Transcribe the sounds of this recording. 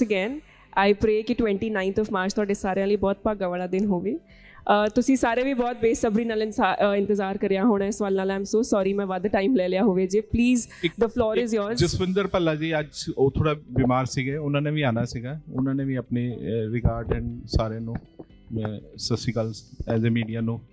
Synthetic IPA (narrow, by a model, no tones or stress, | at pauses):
əɡɛːn | aːɪpɾeːkɪʈwɛ̃ɳʈiːnãːɪ̃nt̪ʰɔːʋmaːɾt͡ʃt̪ʰʊaːɖeːsaːɾejãːləiːbɔːt̪̚pəɡəʋəɽ̃aːd̪ɪnɦoːʋeː | t̪ʊsĩːsaːɾẽːʋiːbɔːt̪̚beːsəbɾiːnaːlɪnːɪ̃nt̪əzaːɾkəɾɪjaːɦoːɽ̃aːɪsʋaːlnaːlãːɪmsoːsɔːɾiːmɛ̃ːʋaːd̪əʈaːɪmlɛːlɪjaːɦoːʋeːd͡ʒiːpliːz | d̪əfʰlɔːɾɪzjɔːɾzd͡ʒɪsmɪ̃nd̪əɾpəlaːd͡ʒiːəd͡ʒoːt̪ʰoːɽaːbiːmaːɾsiːɡɛːʊnãːnẽːʋiːaːnaːsiːɡaːʊnãːnẽːʋiːəpneːɾɪkaːɾɖɛɳsaːɾjãːnũː | mɛ̃ːsəsiːkəlɛːzeːmiːɖijaːnũː